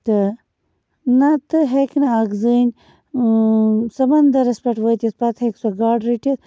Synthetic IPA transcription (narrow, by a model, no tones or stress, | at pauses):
t̪ɨ | nat̪ɨɦeknɐaɡzɨnʲ | sɐbɐnd̪ɐɾɐspɐʈʋət̪jɐt̪̚pɐt̪ʰheksɐɡaːɖɾiʈɐt̪̚